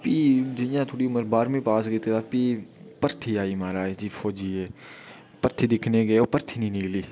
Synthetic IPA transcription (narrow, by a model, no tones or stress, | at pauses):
piːd͡ʒɪjãːt̪ʰoːɽiːʊməɾbaːɾmẽːpaːsɡət̪eːaːpiːpəɾt̪ʰiːaːiːmaːɾaːed͡ʒiːfʰoːd͡ʒiːeː | pəɾt̪ʰiːd̪ɪkʰneːɡeːoːpəɾt̪ʰiːnĩːnɪkliː